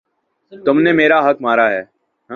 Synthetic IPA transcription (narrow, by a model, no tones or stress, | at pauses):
t̪ʊmneːmeːɾaːɦəkmaːɾaːɦɛː | ɦ